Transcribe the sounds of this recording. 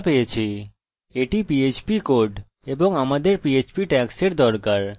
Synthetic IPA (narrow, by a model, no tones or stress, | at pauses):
pejet͡ɕʰe | eʈipiet͡ɕpikoɾɖ | eboŋamad̪eɾpiet͡ɕpiʈɛkseɾd̪ɔɾkaɾ